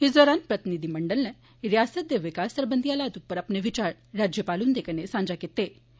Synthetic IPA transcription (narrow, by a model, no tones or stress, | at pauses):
ɦid͡zd̪ʋəɾãnpɾət̪inid̪ʱiməɳɖəlnɛ̃ | ɾjasəd̪eʋikasəɾbənd̪ʱijalat̪upːəɾapneʋit͡ɕaɾ | ɾad͡ʑjəpaluːnd̪ekənesãɲd͡ʑaket̪ːe